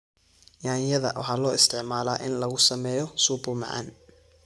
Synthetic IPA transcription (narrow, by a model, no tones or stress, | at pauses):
jaːjɐðɐ̰wɑ̰ħɑːlɔːɪst̪ʰɪʕmaːlaːʔɪnlɐɣʊsɐmɛːjɔsubʊmɑ̰ʕɑ̰n